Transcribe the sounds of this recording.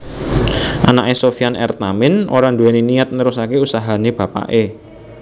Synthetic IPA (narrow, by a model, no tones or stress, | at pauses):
ʔanaʔesofianɛ̰rt̪amɪnʔo̰ɾand̪ueneniat̪̚nəɾusakeusaɦaneb̥a̤pa̰ʔe